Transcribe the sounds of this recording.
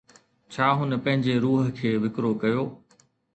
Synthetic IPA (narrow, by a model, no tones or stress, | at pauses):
t͡ɕʰaːɦʊnəpɐ̃ɦɪ̃ɲd͡ʑeɾuːɦə̆kʰeːʋɪkɾokɐjoː